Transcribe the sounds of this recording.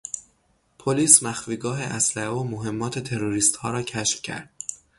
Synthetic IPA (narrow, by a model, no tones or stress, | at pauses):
pʰoliːsmæxfiːɡɒːɦeʔæslæhevomoɦe̞mːɒːt̪ʰe̞t̪ʰe̞ɾoɾiːst̪hɒːɾɒːcʰæʃfcʰæ̰ɾd̪̥